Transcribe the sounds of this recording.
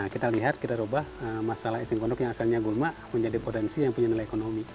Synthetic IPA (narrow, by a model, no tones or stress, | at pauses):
akit̪aliɦat̪̚kit̪aɾobahəmasalahisiŋkɔndɔkjaŋasalɲaɡulmaʔməɲd͡ʒadipot̪ɛnsijaŋpuɲanilajekonomi